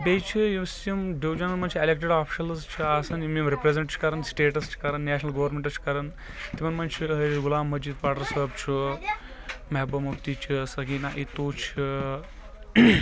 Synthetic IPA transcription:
bejt͡ʃʰijisjɐmɖiʋd͡ʒɐnɐnmɐnt͡ʃʰiɐlek̚ʈeɖaːpʰi̥ʃɐlɐzt͡ʃʰiaːsɐnimimɾipɾezeɳʈt͡ʃʰi̥kɐɾɐnsʈeːʈɐst͡ʃʰi̥kɐɾɐnːæːnɐlɡɐʋɾmeɳʈɐt͡ʃʰi̥kɐɾɐn | t̪imɐnmɐnt͡ʃʰiɦɐɡulaːmːɐd͡ʒiːd̪paːʈɐɾsɐb̚t͡ʃʰu | mɐɦebɐmukt̪it͡ʃʰisɐɡinaʔit̪oːt͡ʃʰi

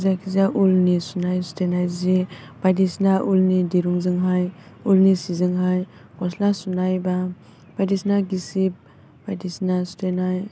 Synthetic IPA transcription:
zakʰizaʔulnisunajsu̥tenajzibajdisnaʔulnidiɾuŋzɯŋɦajulnisizɯŋɦajkɔslasunajba | b̥adisnaɡisib̚ | bajdisnasu̥tenaj

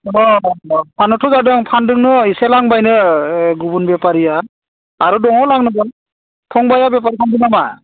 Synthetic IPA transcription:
ɔpʰanɯtʰuzadɯŋpʰandɯŋnɯiselaŋbajnɯɡubunbepaɾija | aɾudɔŋawlaŋnɯɡɯl | pʰɔŋbajabepaɾipʰandinama

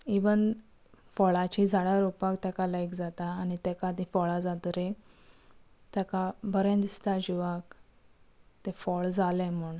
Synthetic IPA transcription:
iʋən | fɔɭat͡ɕid͡zaɽaɾopakt̪akalajkd͡zat̪aːñit̪ɛkad̪ĩfɔɭad͡zat̪əɾe | t̪jakabʱəɾẽnd̪ist̪ad͡ʑiʋak | t̪efɔɭd͡zalɛ̃m̤uɳ

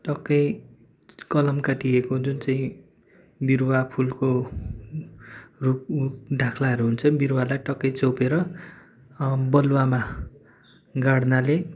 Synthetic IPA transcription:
ʈʌkːʌj | kʌlʌmkaʈiekod͡zunt͡saĩ | birwapʰulko | ruk̚uk̚ɖʱãkʰlaɦʌɾuɦunt͡sʰʌbiɾwalajʈʌkːʌjt͡sowpeɾʌ | bʌlwama | ɡaɽnale

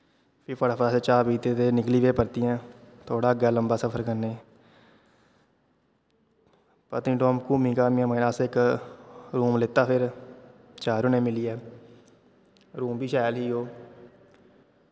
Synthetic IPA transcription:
pʰɪpʰəɽaːpʰəɾaːseːt͡ʃaːpiːt̪eːt̪eːnɪkliːʋeːpəɾt̪iːãːt̪ʰoːɽaːəɡaːləmbaːsəpʰəɾkəɾneː | pə̰t̪ĩːɖoːmkuːmiːkaːmĩãːməːnaːsɪk | ɾuːmlɪt̪ːaːpʰɪɾ | t͡ʃaːɾoːnẽːmɪliːɛː | ɾuːmbiːʃaːjlɦiːɦoː

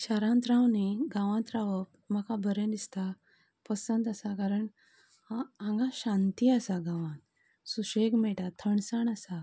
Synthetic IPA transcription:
ɕaɾãnt̪ɾãwniɡãʋãnt̪ɾaʋəp̚ | makabʱəɾẽd̪ist̪a | pəsə̃nd̪asakaɾəɳ | aãŋɡãɕãnt̪iasaɡãʋã | suɕeɡmɛʈat̪ʰəɳsaɳasa

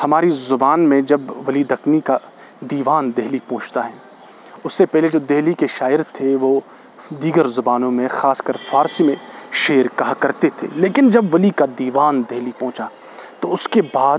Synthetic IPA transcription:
hɐmaːɾizʊbaːnmẽd͡ʒɐbʋɐlid̪ɐknika | d̪iːʋaːnd̪eɦlipɔ̃ːt͡ʃt̪aɦɛː | ʊsːepɛɦled͡ʒoːd̪eɦlikeʃaːɪɾt̪ʰeʋo | d̪iːɡəɾzʊbaːnõmẽxaːskəɾfaːɾsimẽʃeːɾkaːɦkɐɾt̪et̪ʰḛleːkɪnd͡ʒɐbʋɐlikad̪iːʋaːnd̪eɦlipɔ̃ːt͡ʃa | t̪oʊskebaː

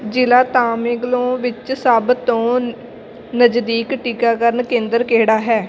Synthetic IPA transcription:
d͡ʒɪlaːt̪aːmẽːɡlõːʋɪt͡ʃsaːbt̪ːõː | nəd͡ʒd̪iːkʈiːkaːkəɾənkẽːnd̪əɾkeːɽaːɦɛː

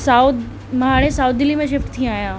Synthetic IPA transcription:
saːʊd̪ | mɦaːɽ̃ẽsaːʊd̪̚d̪ɪlimẽʃɪfʈt̪ʰĩaːjãː

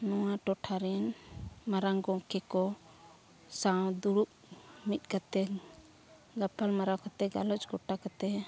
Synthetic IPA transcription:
nɔwãʈɔʈʰaɾɛnmaɾaŋɡɔ̃kɛkɔ | sãw̃d̪uɽup̚ | mit̪̚ˀkat̪ɛ | ɡapalmaɾakat̪ɛɡa̰lɔt͡ʃɡɔʈakat̪ɛ

